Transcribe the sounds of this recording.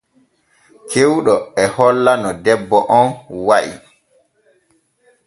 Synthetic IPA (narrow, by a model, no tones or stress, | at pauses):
kʰewɗɔɛhɔlːanɔdɛbːɔʔɔnwaʔḭ